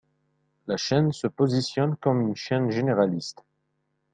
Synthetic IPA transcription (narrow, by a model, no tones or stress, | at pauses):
laʃɛnsəpozisjɔnkɔmynʃɛnʒeneʁalist̪